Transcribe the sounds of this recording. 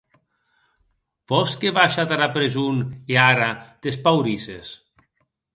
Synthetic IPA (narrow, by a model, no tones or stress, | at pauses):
bɔskeβaʃat̪aɾapɾezuneaɾad̪̥es̬pawɾises